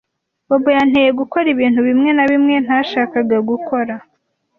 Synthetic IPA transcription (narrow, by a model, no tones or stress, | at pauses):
bobojan̥heje̞ɡuko̞ɾiβiːnhuβimŋe̞naβimŋe̞n̥haʃaːkaɡaɡuko̞ɾa